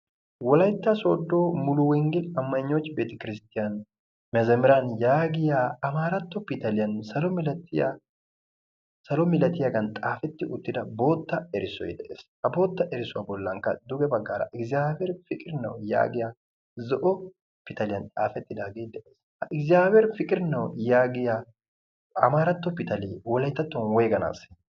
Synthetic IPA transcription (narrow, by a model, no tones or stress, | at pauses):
wɔlɐjt̪ːɐso̰ːd̪ːo̞ːmʊlʊwɛŋɡɪlɐmːɐɲːot͡ʃːbeːt̪ɐkɪɾɪst̪ɪjɐn | mɛzɐmɪɾɐnjaːɡɪjaːɐmaːɾɐt̪ːɔpɪt̪ɐlɪjɐnsɐlɔmlɐt̪ːɪ̰ | sɐlɔmɪlɐt̪ɪjɐɡɐnt̪ʼaːfɛt̪ːɪʔʊt̪ːɪd̪ɐbo̞ːt̪ːɐɛɾɪsɔ̰jd̪ɛʔḛːshɐbo̞ːt̪ːɐʔɛɾɪsʊwaːbɔlːɐŋkːɐ̰d̪ʊɡɛbɐɡːaːɾɐ̰ʔɪkzaːfɛɾfɪkʼɪɾɪnɐ̰wja̰ːɡɪjaː | zɔʔɔ | pɪt̪ɐlɪjɐnt̪ʼaːfɛt̪ːɪd̪aːɡeːd̪ɛʔeːshɐʔɪkzɪaːbɛɾfɪkʼɪɾnɐwjaːɡɪja | ɐ̰maːɾɐt̪ːɔpɪt̪ɐliːwɔlɐjt̪ːɐt̪ːɔnwɔjɡɐna̰ːs